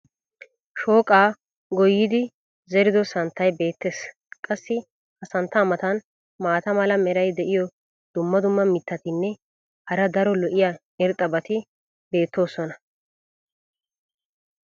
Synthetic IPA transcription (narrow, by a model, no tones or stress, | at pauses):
ʃo̞ːkʼaː | ɡɔjːɪd̪ɪ | zɛɾɪd̪ɔsɐnt̪ːɐjbe̞ːt̪ːe̞ːs | kʼɐsːɪ | hɐsɐnt̪ːɐːmɐt̪ɐn | maːt̪ɐmɐlɐmɛɾɐjd̪ɛʔɪjɔ | d̪̥ʊmːɐd̪ʊmːɐmɪt̪ːɐt̪ɪnːɛ | hɐɾɐd̪ɐɾɔlɔʔɪja | ɪɾt̪ʼːɐbɐt̪ɪ | be̞ːt̪ːo̞ːsɔnɐ